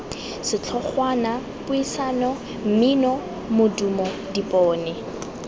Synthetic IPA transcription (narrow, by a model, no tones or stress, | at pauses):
sɪt͡ɬʰɔχwana | pʊisaːnɔ | m̩minɔ | mʊdumɔdipɔːnɛ